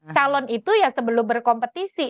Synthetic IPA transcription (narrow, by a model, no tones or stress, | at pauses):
t͡ʃalɔnit̪ujasəbəlʊmbərkɔmpət̪isi